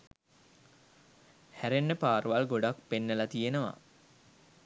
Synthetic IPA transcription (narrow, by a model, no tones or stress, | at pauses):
hæɾenːəpaːrʋalɡoɖak̚penːəlat̪ijenəʋa̰